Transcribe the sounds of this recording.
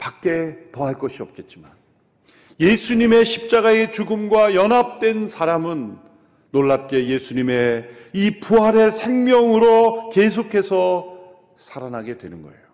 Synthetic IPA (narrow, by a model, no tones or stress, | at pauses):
pak͈e̞tʌɦaɭk͈ʌɕʰiʌp̚k͈e̞t̚t͡ɕ͈iman | jesʰuɲime̞ɕʰip̚t͡ɕ͈aɡae̞t͡ɕuɡɯmɡwajʌnɦap̚t͈we̞nsʰaɾamɯnː | oɭːap̚k͈e̞je̞sʰuɲime̞ | ipuɦaɾesʰe̞ŋmjʌŋɯɾoke̞s̬ʰokʰe̞sʰʌ | sʰaɾanɦaɡe̞dwe̞nɯnɡʌ̰ḛjo